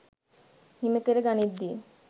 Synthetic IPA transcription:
himet̪eɾeɡanid̪ie

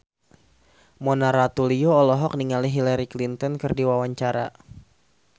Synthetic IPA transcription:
mɔnaɾat̪ulioːlɔɦɔk̚niŋaliɦilaɾiklint̪ɔnkɨrdiwawaɲt͡ʃaɾa̰

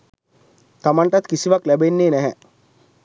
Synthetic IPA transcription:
t̪amaɳʈat̪kisiʋaklæbenːeːnɛɦɛ

